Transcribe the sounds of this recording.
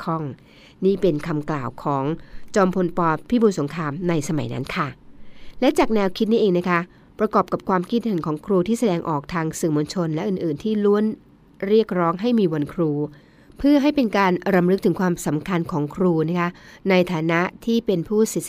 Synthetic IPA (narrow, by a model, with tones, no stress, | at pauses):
kʰɔ˥˩ŋ | niː˥˩pe˧nkʰa˧mklaː˨˩wkʰɔː˩˦ŋt͡ɕɔː˧mpʰo˧npɔː˧pʰiː˥˩buː˧nso˩˦ŋkʰɾaː˧mna˧jsa˧ma̰˨˩˦jna̰˦˥nkʰa˥˩lɛ˦˥t͡ɕaː˨˩k̚nɛː˧wkʰi˦˥t̪̚niː˦˥ʔeː˧ŋna˦˥kʰa˦˥ | pɾa˧kɔː˨˩p̚ka˨˩p̚kʰwaː˧mki˧˩t̪̚hɯ˩˦nkʰɔː˩˦ŋkʰɾuː˧t̪ʰiː˥˩sa˧dɛː˧ŋʔɔː˨˩k̚t̪ʰaː˧ŋsɯ˨˩ŋmo˧nt͡ɕʰo˧nlɛ˦˥ʔɯː˨˩nʔɯː˨˩nt̪ʰiː˥˩lu˦˥ən | ɾi˥˩ək̚ɾɔː˦˥ŋɦa˥˩jmiː˧wa˧nkʰɾuː˧ | pʰɯ˥˩ɐɦa˥˩jpe˧nkaː˧nɾa˧mɾɯ˦˥k̚t̪ʰɯ˩˦ŋkʰwaː˧msa˩˦mkʰa˧nkʰɔː˩˦ŋkʰɾuː˧na˦˥kʰa˦˥na˧jt̪ʰaː˩˦na˦˥ʔt̪ʰiː˥˩pe˧npʰuː˥˩si˨˩